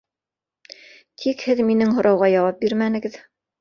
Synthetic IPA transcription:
t̪ʰikhɘðminɘŋɦŏɾʔɑwʁɑjɑwɑp̚biɾmænɘ̆ɡɘð

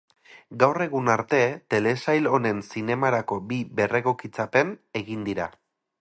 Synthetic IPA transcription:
ɡawre̞ɣunaɾt̪e̞t̪e̞le̞sajlo̞ne̞nsine̞maɾako̞bibe̞re̞ɣo̞kit͡sape̞ne̞ɣind̪iɾa̰

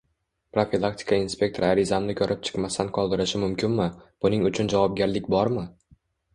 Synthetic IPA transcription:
pɾofilˠak̚t̪ʲʰɪ̥kʰainspʲe̞k̚t̪ʰoɾaɾɪzamnɪkʲʰɵɾʔɪp̚t͡ʃʰɨ̥qmast̪anqʰɒlˠd̪ɪɾɪʃɪmʊmkʲɪnmɪb̥ʊnɪŋʊt͡ʃʰʊnd͡ʒavɒp̚ɡʲaɾlɪkʲbɒɾmɪ

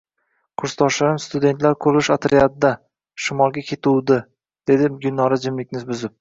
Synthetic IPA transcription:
qʰʊɾst̪ʰɒʃaɾɪmst̪ʊd̪e̞nt̪laɾkʰɵlʊʃat̪ʰɾiat̪̚d̪a | ʃɪmɒlˠɡʲakʲʰe̞t̪ʰuwd̪ɪ | d̪̥e̞d̪ɪɡʲʊnːɒɾad͡ʒɪmlɪkʲnɪzbʊzɪp̚

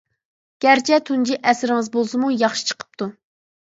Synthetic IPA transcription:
ɡ̥ʲæɾt͡ʃʰɛt̪ʰund͡ʒiʔɛsɾɪŋɨzbolˠsɨmujɑχʃi̥t͡ʃʰə̥qʰə̥p̚t̪ʰu

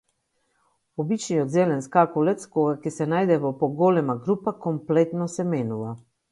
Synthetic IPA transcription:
ɔbit͡ʃniɔd̪zelɛnskakulɛt̪skoɡakɛsɛnajd̪ɛvɔpɔɡolɛmaɡɾupakɔmplet̪nɔsɛmeːnuʋa

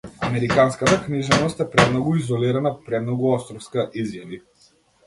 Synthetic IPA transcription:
amɛɾikanskat̪akniʒɛnɔst̪ɛpɾɛmnɔɡuizɔliɾanapɾɛmnɔɡuɔst̪ɾɔfskaʔizjavi

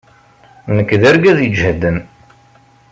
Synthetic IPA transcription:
nəkːðæɾɡæðjəd͡ʒhæd̪ːən

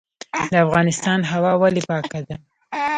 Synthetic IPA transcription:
d̪əafɣɑnɪst̪ɑnɦawɑwalipɑkad̪a

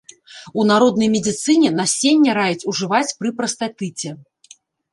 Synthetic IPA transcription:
unaɾɔd̪nɐjmʲɛd͡zʲit̪sɨnʲɛnasʲenʲːɐɾajit͡sʲuʐɨvat͡sʲpɾɨpɾɐst̪at̪ɨt͡sʲɛ

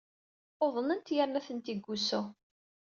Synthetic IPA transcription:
oðˤnənt̪jəɾnæθənt̪iɡʷːusʊ

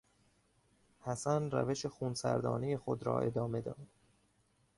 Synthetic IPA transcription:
hæsænræ̰ve̞ʃexunsæ̰ɾd̪ɒːneje̞xod̪ɾɒ̰ːʔe̞d̪ɒːme̞d̪ɒːd̪̥

